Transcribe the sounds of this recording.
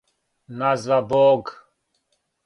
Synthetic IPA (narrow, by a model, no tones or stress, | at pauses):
nazvabɔːɡ